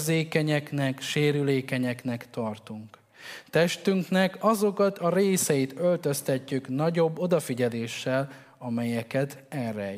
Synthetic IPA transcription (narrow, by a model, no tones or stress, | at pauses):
zeːkɛɲɛknɛkʃeːɾyleːkɛɲɛknɛkt̪ɒrt̪uŋk | t̪ɛʃt̪yŋknɛkɒzo̞kɒt̪ʰɒɾeːsɛjit̪ø̞lt̪ø̞st̪ɛcːyknɒɟo̞bːo̞d̪ɒfiɟɛleːʃːɛl | ɒmɛjɛkɛt̪ɛrɛɛ